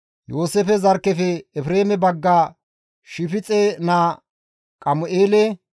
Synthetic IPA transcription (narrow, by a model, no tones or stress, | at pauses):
joːsefɛzɐɾkːɛfɛɛfɾeːmɛbɐɡːɐ | ʃɪfɪt͡sʼɛnaː | kʼɐmʊʔeːlɛ